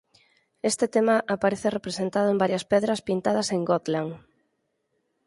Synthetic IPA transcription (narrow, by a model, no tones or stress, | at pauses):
est̪et̪emaʔapaɾeθerepɾesent̪að̞ʊembaɾjɐspɛðɾɐspint̪að̞ɐseŋɡɔt̪laŋ